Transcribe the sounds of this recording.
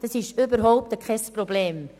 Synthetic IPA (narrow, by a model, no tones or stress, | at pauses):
d̥ɑsɪʃybəɾɦɔʊp̚təkʰχɛsprobleːm